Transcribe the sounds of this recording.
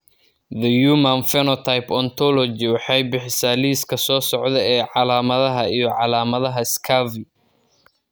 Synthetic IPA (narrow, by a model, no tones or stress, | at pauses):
ðɐjuːmɐnfɛnɔt̪ʰajpɔnt̪ʰɔlɔd͡ʒɪwɑħɑjbɪħɪsaːliːskʰɐsɔːsɔʕd̪ɛɛːʕɑlaːmɐðɐɦɐijɔʕɑlaːmɐðɐɦɐɪskʰavɪ